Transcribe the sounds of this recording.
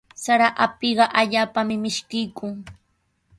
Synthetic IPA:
saɾaʔapɪɢɑʔaʎaːpamɪmɪʃkɪjkʊŋ

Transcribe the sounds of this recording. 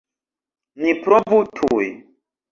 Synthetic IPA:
nipɾɔvutʰuj

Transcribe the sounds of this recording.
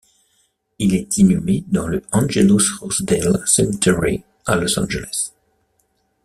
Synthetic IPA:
ilɛt̪ʰinymed̪ɑ̃ləɑ̃nʒelusʁɔsd̪elsɛmt̪ʰɛɹi | alɔsɑ̰̃nʒelɛs

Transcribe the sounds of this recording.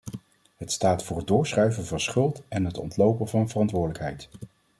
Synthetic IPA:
ɦətstaːtfʊːrɦədʊːɹsχrœɥvənvɑnsχɵlˠtɛnɦətɔ̰ntlowpənvɑnvərɑntʋʊːɹdələkɦɛjt

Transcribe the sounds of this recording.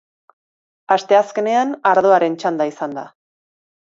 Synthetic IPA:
ast̪e̞aske̞ne̞anaɾð̞o̞aɾe̞nt͡ʃand̪aisand̪a̰

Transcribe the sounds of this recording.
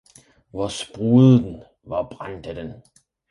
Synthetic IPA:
ʋɒsb̥ʁuːð̩ˠn̩ | ʋɑ̈b̥ʁan̰d̥æd̥en

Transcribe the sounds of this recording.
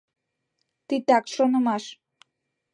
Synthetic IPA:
t̪it̪akʃonəmaʃ

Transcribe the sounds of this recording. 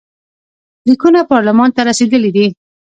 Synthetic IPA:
likunapɑɾlamɑnt̪aɾased̪əlid̪i

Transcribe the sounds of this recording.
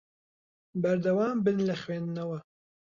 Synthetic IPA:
bɐɾd̪ɐwaːmbɨnlɐxweːnd̪ɨnɐwɐ

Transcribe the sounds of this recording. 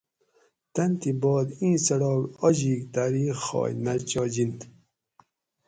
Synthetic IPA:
t̪ɐnt̪ibɔːd̪ĩːsɐɽɔːɡɔʑiːkt̪aɾiχɔ̰ːjnat͡ɕɔːd͡ʑint̪

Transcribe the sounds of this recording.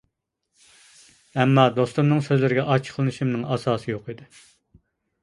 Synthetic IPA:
ɛmːɑd̪ost̪umnɨŋsøzlɪɾɪɡʲɛʔɑt͡ʃʰqʰəlˠɨnɨʃimnɨŋɑsɑːsɨjoqid̪ɨ

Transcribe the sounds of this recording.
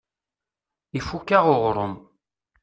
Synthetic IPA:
ifukːaʁʊʁɾˤʊm

